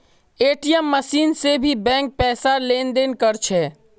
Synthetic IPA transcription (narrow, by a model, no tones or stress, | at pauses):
eːʈijəmːəsiːnsebʱibɛ̃ːŋk̚pɛːsaleːnd̪eːnkəɾt͡ʃʰɛ